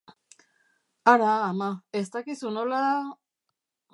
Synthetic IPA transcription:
aɾaːmae̞st̪akisuno̞la

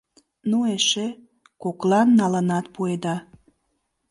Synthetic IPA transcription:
nueʃe | koklɑnːɑlənɑt̪̚pued̪ɑ

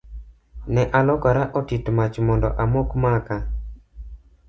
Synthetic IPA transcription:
nɛʔalɔkaɾaʔɔtitmat͡ʃmɔndɔ̰ʔamokmaka

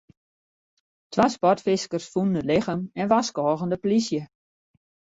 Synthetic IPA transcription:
tʰʋaspɔtfɪskərsfunəndəlɪxəmɛnʋaskɔːɣəndəplisjə

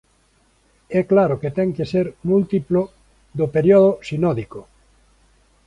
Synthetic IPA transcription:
ɛklaɾoket̪ɛŋkeseɾmult̪iplo | ðopeɾjɔðosinɔðiko

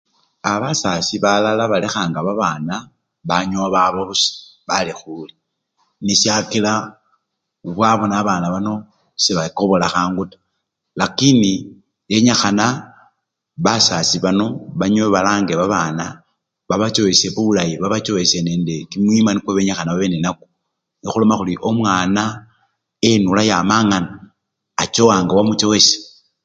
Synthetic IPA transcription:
aβasasiβalalaβalexaːŋɡaβaβaːna | βaɲoβaβoβusḁβalixuli | nisjakila | βwaβonaːβaːnaβano̞ | seβako̞βo̞laxaːŋɡutḁ | lakini | je̞ɲaxana | βasasiβano̞βaɲoβeβalaːŋɡeβaβana | βaβat͡ʃo̞eseβuβulajiβaβat͡ʃo̞weseneːnde̞kimwimanikweβeɲaxanaβaβeːnenaku̥ | nixulo̞maxuliʔo̞mwaːna | enulajamaŋanaː | t͡ʃowaːŋɡawamut͡ʃowese̥

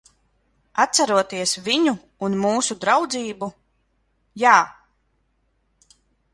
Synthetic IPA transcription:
at̪saɾuɔt̪iɛsviɲuː | nmuːsud̪ɾawd̪ziːbu | jaː

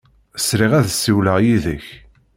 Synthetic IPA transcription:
sɾiʁæðsːiwləʁjiðəç

